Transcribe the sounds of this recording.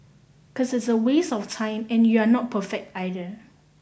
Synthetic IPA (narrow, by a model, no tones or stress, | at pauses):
kʰɔsɪtsəwesɔftʰãɪ̃mɛ̃njuanɔt̚pʰəfɛk̚taɪdə